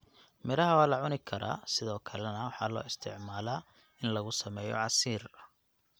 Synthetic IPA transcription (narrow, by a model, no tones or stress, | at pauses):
mɪɾɐɦɐwaːlɐʕʊnɪkʰɐɾa̰ːsɪðɔːkʰɐlɛnɐwɑħɑ̰ːlɔ̰ːɪst̪ʰɪ̰ʕmaːlaː | ɪnlɐɣʊsɐmɛːjɔ̰ʕɑsiːr